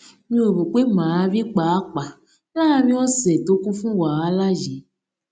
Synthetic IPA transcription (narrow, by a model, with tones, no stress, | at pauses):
ɲĩ˦e˨bu˨k͡pe˦mã˨a˧˦vi˦k͡pa˨a˦k͡pa˨˦ | a˦a˧mĩ˦wo˦sɛ˨to˦kũ˦fũ˦wa˨a˨˦la˦ʒi˨